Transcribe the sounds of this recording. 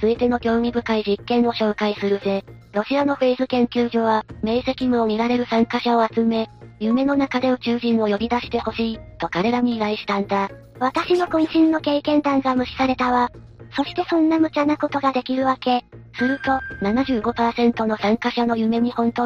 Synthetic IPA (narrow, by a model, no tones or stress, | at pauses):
t͡sɨit̪e̞no̞ɡʲo̞ːɲ̟ibɯ̟kaid͡ʑikːẽ̞ɰ̃o̞ɕo̞ːkaisɨɾɯ̟ze̞ | ɾo̞ɕiano̞ɸe̞ːzɨkẽ̞ŋkʲɨːʑo̞βame̞ːse̞kʲimɯ̟omʲiɾaɾe̞ɾɯ̟sãŋkaɕao̞at͡sɨme̞jɯ̟me̞no̞nakad̪e̞od͡ʑɨːʑĩɰ̃o̞jo̞ɾʲid̪aɕi̥t̪e̞ho̞ɕiːt̪o̞kaɾe̞ɾaɲ̟iːɾaiɕi̥t̪ãnd̪a | βat̪aɕino̞kõɲĩɕĩnːo̞ke̞ːkẽ̞nd̪ãŋɡamɯ̟ɕi̥saɾe̞t̪aβa | so̞ɕi̥t̪e̞sõ̞nːamɯ̟t͡ɕanako̞t̪o̞ɡad̪e̞kʲiɾɯ̟βake̞sɨɾɯ̟t̪o̞nanaʑɨːɡo̞paːsẽ̞nt̪o̞no̞sãŋkaɕano̞jɯ̟me̞ɲ̟ihõ̞nt̪o̞